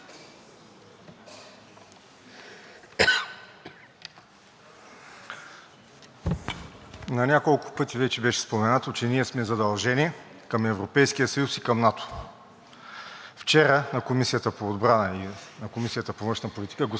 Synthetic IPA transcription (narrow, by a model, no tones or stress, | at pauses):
nɐnʲakolˠkʊ̥pɤt̪ivɛt͡ʃɛbɛʃɛ̥spomɛnat̪ot͡ʃɛniɛsmɛzɐd̪ɐlˠʒɛniɛ | kəmɛvɾopɛjskijəsɐjusikɐmnat̪o̥ | ft͡ʃɛɾənɐkomisijət̪əpoːd̪bɾanəinɐkomisijət̪əpovɤ̃nʃnɐpolʲit̪i̥kəɡo